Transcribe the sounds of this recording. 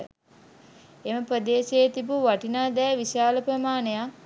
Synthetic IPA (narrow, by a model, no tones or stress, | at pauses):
eməpɾəd̪eːseːt̪ibuʋaʈinaːd̪ɛːʋiʃaːləpɾəmaːneja